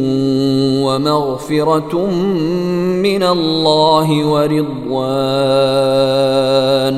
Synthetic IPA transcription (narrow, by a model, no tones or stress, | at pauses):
wamaɣfɪɾɑ | mɪnalːaːɦɪwaɾɪd̪ˤ | waː | n